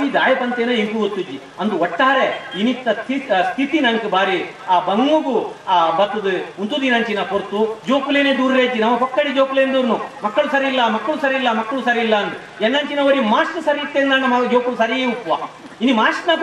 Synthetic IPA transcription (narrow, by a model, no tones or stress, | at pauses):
id̪aːjɐpɐnt̪eːnɐimpuɡot̪ːud͡ʒi | ɐnt̪uɔʈːaːɾeinit̪ːɐt̪ʰist̪ʰit̪inɐnɐkebaːɾi | abɐŋːuɡubɐt̪ːud̪ɨunt̪ud̪inɐːɲt͡ʃinɐkoɾt̪ːud͡ʒoːkuleneːd̪uːɾɾeːt̪inɐmːɐkɔkːɐɽid͡ʒoːkuleːnd̪uːɾnumɐkːɐɭusɐɾilːɐmɐkːɐɭusɐɾilːɐmɐkːɐɭusɐɾilːɐɐnd̪u | ɛnːɐːɲt͡ʃinɐʋɐɾimaːsʈɐsɐɾiit̪ːeːnd̪aːnɳɐmːɐd͡ʒoːkuusɐɾieupːʋa | inimaːʂʈnak